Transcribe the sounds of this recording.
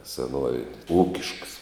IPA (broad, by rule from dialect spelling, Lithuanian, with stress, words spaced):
sʲɛˈnuɔʋʲeːnʲ ˈuːkʲɪʃks